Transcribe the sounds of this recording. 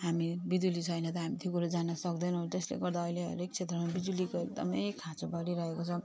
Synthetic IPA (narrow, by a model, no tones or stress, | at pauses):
ɦamibid͡zulit͡sʰʌjnʌt̪ʌɦamit̪ʰjokuɾad͡zanʌsʌkd̪ʌnʌwt̪eslḛɡʌrd̪aʌjleʌ̰ɾek̚t͡sʰet̪rʌmabid͡z̪ulikoek̚d̪ʌ̰mʌjkʰat͡sobʌɾiɾʌɦekot͡sʰʌ̃